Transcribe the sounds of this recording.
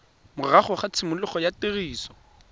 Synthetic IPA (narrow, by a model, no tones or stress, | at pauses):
mʊraχʊχat͡sʰɪmʊlʊχɔjatɪriːsɔ̥